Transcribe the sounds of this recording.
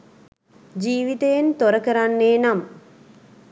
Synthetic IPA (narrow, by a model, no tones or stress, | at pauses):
d͡ʒiːʋit̪əjent̪oɾəkəɾanːeːnam